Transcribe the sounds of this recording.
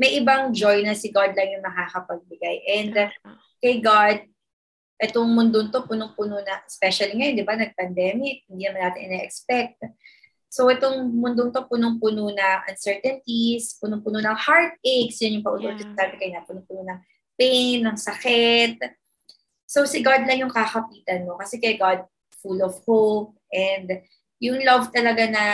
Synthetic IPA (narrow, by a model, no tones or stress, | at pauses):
mɐjʔɪbaŋd͡ʒojnɐsɪɡad̪̚lɐŋjʊŋnɐkakɐpɐɡ̚bɪɡajʔɛnd̪ | kɐjɡad̪̚ | ʔɛt̪oŋmʊnd̪ont̪o̞punoŋpʊnonɐŋʔspɛʃɐliŋɐjond̪ɪbanɐɡ̚pɐnd̪ɛːmɪk̚hɪnd̪iːnɐmanːaːt̪ɪ̰ŋʔɪ̰nɛʔɛkspɛk̚t̪̚ | sowʔɛt̪oŋmʊnd̪ont̪o̞punoŋpʊnonɐŋʔɐ̰nsɛɹt̪ɛnt̪ispʊnoŋpʊnonɐŋhaɹt̪̚eɡsjɐnjʊŋpɐʔʊnoʔd͡ʒɪsaːbɛkɐjnɐpʊnoŋpʊnonɐŋ | pejnːɐŋsɐkɛt̪̚ | so̞wsɪɡad̪lɐŋjʊŋkɐkɐpiːt̪ɐnːokɐsɛkɐjɡad̪̚ | fulɔvhowp̚ʔɛnd̪ | jʊŋlɐvt̪ɐlɐɡanɐ